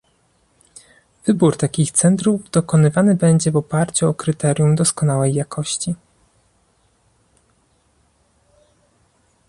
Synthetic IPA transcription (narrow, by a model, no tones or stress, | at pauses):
vɘbuɾt̪akʲixt̪sɛnt̪ɾuvd̪̥ɔkɔnɘvanɘbɛɲd͡ʑɛvɔpaɾt͡ɕuɔkɾɘt̪ɛɾʲjumd̪ɔskɔn̪awɛjːakʰɔɕt͡ɕi